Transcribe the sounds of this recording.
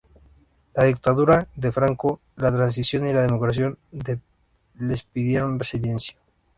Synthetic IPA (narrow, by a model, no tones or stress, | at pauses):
laðik̚t̪aðuɾaðe̞fɾaŋko | lat̪ɾans̬isjo̞nilaðemokɾasjo̞nd̪e | le̞spiðjeɾonresilje̞nsja